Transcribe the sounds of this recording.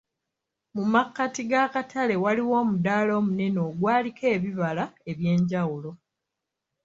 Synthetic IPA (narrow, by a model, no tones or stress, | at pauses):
mumakːatiɡakatʰale̞waliwo̞ːmudaːlo̞ːmune̞no̞ːɡwaːlikʰe̞ːβiβalae̞βje̞ːɲɟawulo̞